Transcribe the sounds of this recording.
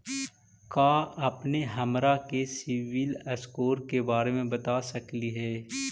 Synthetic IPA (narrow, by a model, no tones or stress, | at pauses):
kaːɐpneɦɐmɾakesɪʋɪləskoːɾkebaːɾemẽbɐt̪asɐkliɦɛː